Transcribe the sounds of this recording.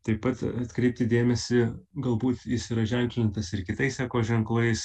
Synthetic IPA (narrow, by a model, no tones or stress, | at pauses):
t̪ɐɪppɐt̪ɐt̪kɾʲɛɪp̚ʲt̪ʲɪd̪ʲeːmʲɛsʲɪɡɐlˠbuːt̪jɪsiɾɐʒʲɛŋʲkʲlʲɪnt̪ɐsɪɾkʲɪt̪ɐɪsɑːkoːʒʲɛŋklˠɐɪs